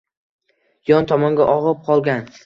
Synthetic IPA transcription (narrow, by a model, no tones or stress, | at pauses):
jɒnt̪ʰɒmɒŋɡʲaʔɒʁɨp̚qʰɒlˠɡʲan